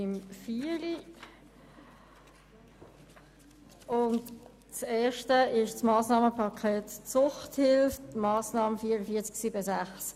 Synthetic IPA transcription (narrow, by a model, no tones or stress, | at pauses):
ɪmfili | ʊnt | t͡sɛːʃtəɪʃsmɑːsnɑːməpʰɑkʰɛːtt͡sʊχthɪlfmɑːsnɑːməfiːɾəfiːɐt͡sksiːbəsæχs